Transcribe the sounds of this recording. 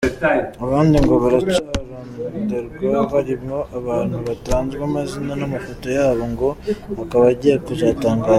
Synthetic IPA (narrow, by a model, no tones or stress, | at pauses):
aβaːndiŋɡo̞βaɾat͡ʃaːɾamuuβudeɾukaβaɾiβjo̞ʔaβaːn̥huβataːnzɡwaːmazinanamafotojaːβo̞ŋɡo̞akaβaɟiɾakuzaːtaːŋɡaːz